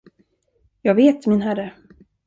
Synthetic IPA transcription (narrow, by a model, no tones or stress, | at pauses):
jɑːɡveːt̪mɪnɦæɾə